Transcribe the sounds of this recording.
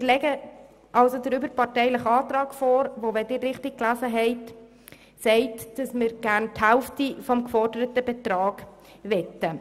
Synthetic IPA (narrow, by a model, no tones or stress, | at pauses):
mːɾlɛɡə | ʔɑlsodəɾybəɾpɑrtɛɪləχɑːtrɑːɡ̥fɔːɾʋoʋɛdɪːrːɪχtɪk̚klæzəɦɛɪt | sɛɪtd̥ɑsmɪɾɡ̥æɾnthælftifɔmkfɔrdəɾətəbɛt̪ɾɑːɡ̥ | ʋɛtːə